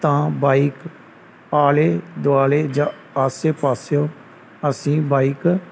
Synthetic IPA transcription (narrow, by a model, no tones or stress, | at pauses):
t̪ãːbaːik | paːleːd̪ʊaːleːd͡ʒãː | aːseːpaːsjoː | əsĩːbaːiːk